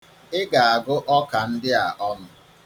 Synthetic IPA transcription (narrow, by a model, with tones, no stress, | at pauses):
ɪ˦ɡa˨a˨ɡʊ˦ʔɔ˦ka˨n̩˦dɪ˦a˨ʔɔ˦nʊ˨